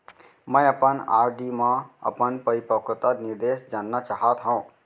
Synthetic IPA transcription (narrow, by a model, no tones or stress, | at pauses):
mə̃jəpəna̰ːɾɖimãə̰pənpəɾipəkt̪əniɾd̪esd͡ʒaːnːat͡ʃaɦat̪ɦõ